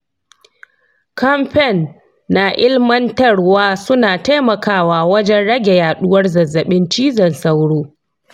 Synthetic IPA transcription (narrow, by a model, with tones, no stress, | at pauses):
kɐ˦mɸɛ˦˨nː | a˨ʔɪ˦lmɐ˦ntɐ˦˨ɽwaː˦sʊ˦naː˨ta˦jmɐ˨kaː˦˨waː˨wɐ˦d͡ʒɛ˦nɽɐ˦ɡʲe˨jaː˨ɗʊ˦wɐ˦rzɐ˨zːɐ˨ɓɪ˦nt͡ʃiː˦zɐ˨nsɐ˦wɽoː˦